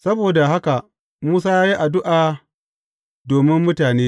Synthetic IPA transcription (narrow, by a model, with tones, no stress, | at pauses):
sɐ˦boː˨da˨ɦa˦ka˨ | muː˦s̬aː˦jaː˦ji˦ʔa˨dʊ˦ʔaː˨ | doː˨mɪ˦mːʊ˦taː˨neː˦